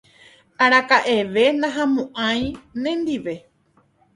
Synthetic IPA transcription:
aɾakaʔe̞ʋe̞nãɦãmũʔãj̃nẽnd̪iʋe̞

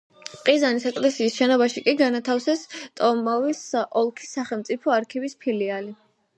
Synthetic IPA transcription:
pʼqʼizanisɛkʼlɛsiːsʃɛnɔbaʃikʼiɡanat̪ʰafsɛst̪ʼɔmɔvisʔɔlˠkʰi̥sːaχɛlˠmt̪sʼipʰɔaɾkʰivispʰiliali

